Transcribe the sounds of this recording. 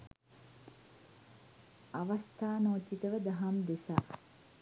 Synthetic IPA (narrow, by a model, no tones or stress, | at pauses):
ɐʋɐst̪ʰaːnoːt͡ʃːit̪əʋəd̪ɐɦamd̪esa̰